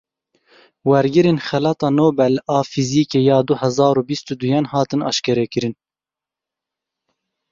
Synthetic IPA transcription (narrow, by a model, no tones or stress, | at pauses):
wɛɾɡɨɾeːnxɛlɑːt̪ɑːnoːbɛlɑːfiziːkeːjɑːd̪uhɛzɑːɾuːbist̪ud̪ujɑnhɑːt̪ɨnɑ̰ʃkɛɾɛkɨɾɨn